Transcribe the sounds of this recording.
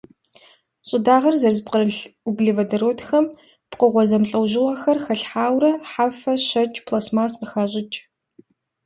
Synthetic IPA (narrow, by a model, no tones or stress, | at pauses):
ɕʼɪdaːʁɐrzɐrzɨp̚qəɾɨɮʊɡɮevɐdɐɾoːtxɐm | pqəʁʷɔzɐmɬʼɐwʑɪwɐxɐrxɐɬħaːwɾɐħaːfɐɕɐt͡ʃʼpʰlaːsmaːsqəxaːɕʼɪt͡ʃʼ